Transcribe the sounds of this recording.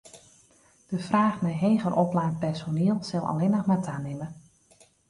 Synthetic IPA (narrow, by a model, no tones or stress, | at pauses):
d̥əfraːxmɛjɦeːɣəɾʔɔplaːnpɛrsoneəlˠsɪlˠɑ̰lɪnəxmatʰaːnɪmə